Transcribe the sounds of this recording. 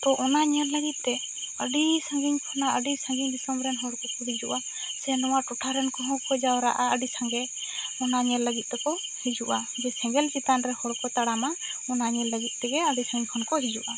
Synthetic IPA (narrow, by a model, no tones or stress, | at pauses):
t̪ɔʔɔnaɲɛlləɡit̪̚ˀt̪ɛ | əɖisaŋɡiɲkʰɔnaəɖisãŋɡiɲbisɔmɾɛnɦɔɽkɔkɔɽid͡ʒuʔa | sɛnɔwaʈɔʈʰaɾɛnkɔɦɔ̃kɔd͡ʒawɾa̰ʔaəɖisaŋɡɛ | ɔnaɲɛlːəɡit̪̚t̪ɛkɔ | hid͡ʒuʔad͡ʒɛsɛ̃ŋɡɛlt͡ʃit̪anɾɛhɔɽkɔt̪aɽama | ɔnaɲɛlːəɡit̪̚t̪ɛɡɛəɖisãŋɡiɲkʰɔnkɔɦid͡ʒuʔa